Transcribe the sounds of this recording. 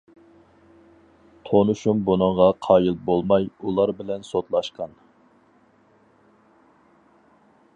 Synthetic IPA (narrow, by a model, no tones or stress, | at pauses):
t̪ʰonuʃumbunɨɴʁɑqʰɑːjɨlˠbolˠmɑjulˠɑɾbɪlɛnsot̪lˠɑʃqɑn